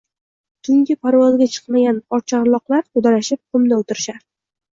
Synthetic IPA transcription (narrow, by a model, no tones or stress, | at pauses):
t̪ʰʊŋɡʲɪpʰaɾwɒzɡʲat͡ʃʰɨ̥qmaɡʲanɒt͡ʃʰaɾlˠɒqlˠaɾt̪ʰʊd̪aɾaʃɪp̚qʰʊmnaʊt̪ɪɾɪʃaɾ